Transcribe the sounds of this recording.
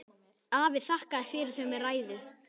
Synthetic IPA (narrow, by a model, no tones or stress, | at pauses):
aːvɪðθahkaðɛfɪːɾɪɾθɛmɛraːjðɪ